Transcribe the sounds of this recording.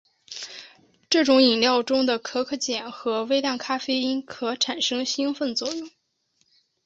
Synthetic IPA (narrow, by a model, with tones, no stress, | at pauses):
ʈ͡ʂɤ˥˩ʈ͡ʂʊ˧˥ŋi˨˩ŋljɑ˥˩ʊʈ͡ʂʊ˥ŋd̪ə˨kʰɤ˥kʰɤ˥˩t͡ɕjɛ˨˩nxɤ˧˥we˥ɪt̪a˥˩nkʰa˥fe˥ɪi˥nkʰɤ˧˥ʈ͡ʂʰa˨˩nʂɤ˥ŋɕi˥ŋfə˥˧nt͡swɔ˥˩jʊ˥˩ŋ